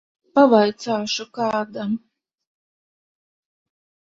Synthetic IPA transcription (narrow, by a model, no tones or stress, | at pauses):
pavajt̪saːʃukaːd̪a